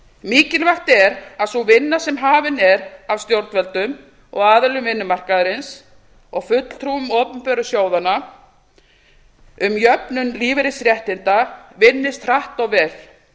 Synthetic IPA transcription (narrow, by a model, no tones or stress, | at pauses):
miːcɪlvaht̪ɛɾaðsuvɪnːasɛmɦaːvɪnɛɾav̥st̪jowɾt̪vɛlt̪ʏm | ɔ̰ɣaːðʏlʏmvɪnːʏmar̥kaðɾɪns | ɔɣfʏt̪l̥t̪ʰɾuʏmɔːpʏmpœɾʏsjoːwðanːa | ʏmjœpnʏmliːvɪɾɪsɾjɛht̪ɪnt̪avɪnːɪst̪r̥aht̪ɔɣvɛl̥